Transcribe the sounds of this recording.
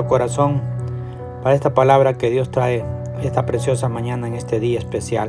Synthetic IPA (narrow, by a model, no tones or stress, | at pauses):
okoɾaso̞n | paɾae̞st̪apalaβɾake̞ðjo̞st̪ɾae | e̞st̪apɾe̞sjo̞samãɲãnaeŋe̞st̪e̞ðiaespe̞sjal